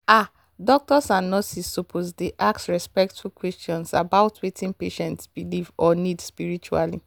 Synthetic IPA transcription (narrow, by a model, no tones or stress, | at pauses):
a | dɔk̚tɔsãnːɔsisːopʰosdeʔaksɹɛspɛk̚tfulkwɛstjɔ̃nsa̰baʊtwetʰĩnpeʃɛ̃ntsb̥ilivɔnidspiɹit͡ʃua̰lḭ